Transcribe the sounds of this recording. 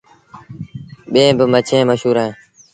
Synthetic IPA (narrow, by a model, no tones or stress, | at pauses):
ɓẽːbɪmət͡ʃʰẽːməʃuːɾãẽː